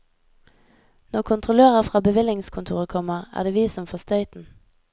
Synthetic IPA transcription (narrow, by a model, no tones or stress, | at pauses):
nɔkʰʊnt̪ʰʁʊløːʁəʁfʁɑːbəʋɪlɪŋskʰʊnt̪ʰṵːʁəkʰɔməʁæ̰ːʁd̪eːʋiːsɔmfɔst̪œʏt̪n̩